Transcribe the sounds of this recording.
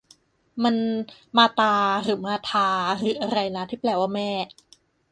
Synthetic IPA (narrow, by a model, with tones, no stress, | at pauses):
ma˧nmaː˧t̪aː˧ɾɯː˩˦maː˧t̪ʰaː˧ɾɯː˩˦ʔa˧ɾa˧jna˦˥t̪ʰiː˥˩plɛː˨˩waː˧˥˩mɛː˥˩